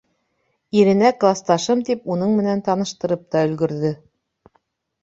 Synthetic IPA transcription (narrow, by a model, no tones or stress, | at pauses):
iɾɘ̆næklˠɑst̪ɑʃɤmt̪ipunɤɴmɘ̆nænt̪ɑnɤ̆ʃt̪ɤ̆ɾɤp̚t̪ɑɵ̆lɡɵ̆ɾðɘ